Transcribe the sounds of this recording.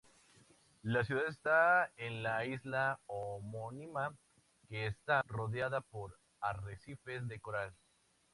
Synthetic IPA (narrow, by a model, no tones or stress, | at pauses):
las̬juðaðest̪aenlaizlaomonima | ke̞ːst̪aro̞ðjaðapo̞ɾ | aresife̞zðe̞koɾal